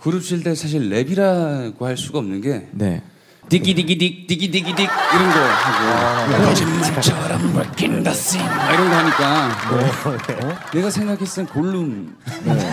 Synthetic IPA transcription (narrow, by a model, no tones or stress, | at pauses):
kɯɾɯp̚ɕ͈iɭt͈e̞sʰaɕ̬ʰiɭːe̞biɾaɡohaɭs͈uɡaʌmnɯnɡe̞nḛ | tiɡidiɡidik̚tiɡidiɡidiɡ̚iɾʌnɡʌhaɡo | init͡ɕʰaɾamɯbaɭk͈ʰinndas͈ɯiaiɾʌnɡʌɦaɲik͈a | ne̞ɡasʰeŋɡakʰe̞s͈ɯɯnkoɭːum